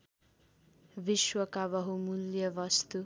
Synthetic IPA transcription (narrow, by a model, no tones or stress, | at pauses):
biʃwʌkabʌɦumuljʌbʌst̪u